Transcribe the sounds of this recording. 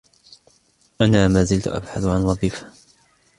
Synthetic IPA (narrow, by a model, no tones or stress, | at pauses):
ʔanaːmaːzɪlt̪ʊ̰ʔa̰bħaθʕanɾˤɑbiːfḁ